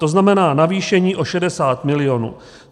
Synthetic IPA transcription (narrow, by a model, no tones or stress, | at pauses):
t̪o̞znamɛnaːnaviːʃɛɲiːʔo̞ʃɛdɛsaːt̪mɪlɪjonṵː